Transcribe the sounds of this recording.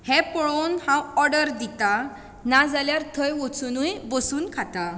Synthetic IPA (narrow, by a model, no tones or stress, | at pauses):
hɛ̃pɔɭonhãɔɾɖəɾd̪it̪a | nad͡zaljaɾt̪ʰəjʋɔt͡sunujbəsuːnkʰat̪a